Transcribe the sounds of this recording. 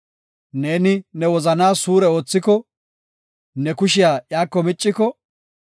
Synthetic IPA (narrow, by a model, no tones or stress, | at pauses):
ne̞ːnɪnɛwɔzɐnaːsuːɾɛo̞ːt͡sːɪkɔ | nɛkʊʃɪjaːjaːkːɔmɪt͡ʃʼːɪkɔ